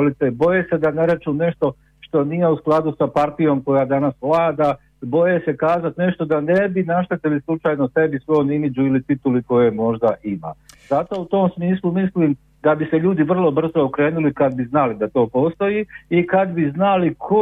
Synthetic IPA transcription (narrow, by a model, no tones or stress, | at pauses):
olit̪ebo̞jese̞d̪ane̞ɾet͡ʃune̞ʃt̪o̞ | ʃt̪o̞nije̞usklˠad̪usapaɾt̪ijo̞mko̞jaːd̪anasʋlˠaːd̪a | bo̞je̞se̞kaːzat̪ne̞ʃt̪o̞d̪ane̞binaʃt̪et̪ilislˠut͡ʃaːjno̞se̞bisʋo̞jomimid͡ʑuilit̪it̪uliko̞je̞mo̞ʒd̪aʔima̰ːzat̪o̞ut̪o̞ːmsmiːslˠumisliːm | d̪abise̞ʎuːd̪iʋr̩lˠo̞br̩zo̞okɾe̞ːnulikad̪̚biznalid̪at̪o̞ːpo̞ːst̪o̞jiikad̪biznalikʰo